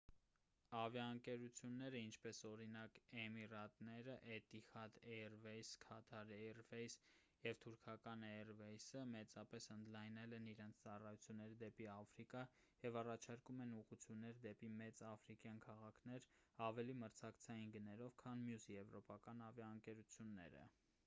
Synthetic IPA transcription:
ɑvjɑəŋkɛɾut͡sʰjunːɛɾəint͡ʃʰpɛsɔɾinɑkɛmirɑt̪nɛɾəʔɛt̪ixɑd̪ɛrvɛjskʰɑt̪ʰɑɾɛrvɛjs | jɛvt̪ʰuɾkʰɑkɑnɛrvɛjsəmɛt͡sɑpɛsənd̪lɑjnɛlɛniɾɛnt͡sʰt͡sɑrɑjut͡sʰjunːɛɾd̪ɛpiɑfɾikɑ | jɛvɑrɑt͡ʃʰɑɾkumɛnuʁut͡sʰjunːɛɾd̪ɛpimɛt͡sɑfɾikjɑnkʰɑʁɑkʰnɛɾɑvɛliməɾt͡sʰɑkt͡sʰɑjinɡənɛlɔvkʰɑnmjusjɛvɾɔpɑkɑnɑvjɑəŋkɛɾut͡sʰjunːɛ̰ɾə̰

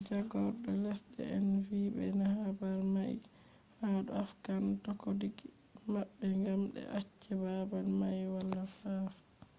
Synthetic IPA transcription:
d͡ʒaɡɔɾɗɔlɛsdɛ̰ɛnvibɛnahabalmaj | haɗɔafkantɔkodiɡ | mabːɛŋɡamɗɛ̰ʔat͡ʃːɛbabalmajwalːafaf

